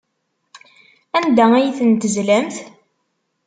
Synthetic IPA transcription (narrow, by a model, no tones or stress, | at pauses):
ænd̪ææjθənt̪əzlæmθ